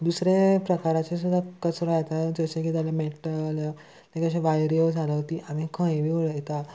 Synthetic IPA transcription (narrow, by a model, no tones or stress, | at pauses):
d̪usɾepɾəkaɾat͡ɕes̬ud̪ʱakət͡sɾõjet̪ad͡zəɕẽkit̪alemeʈəl | t̪ẽkəɕẽʋajɾijod͡zʱalaɦot̪iːʔamĩkʰə̃jʋiʋəɭət̪a